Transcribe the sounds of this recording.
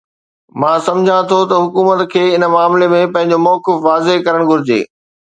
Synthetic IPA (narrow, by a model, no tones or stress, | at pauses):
mãːsɐ̃md͡ʑʱãt̪ʰot̪ɐɦʊkuːmət̪kʰeːɪnəmaːmlemẽpɐ̃ɦɪ̃ɲ̆d͡ʑomɔːkɪfʋaːzeɦkɐɾəɽ̃ɡʱʊɾɪd͡ʑḛː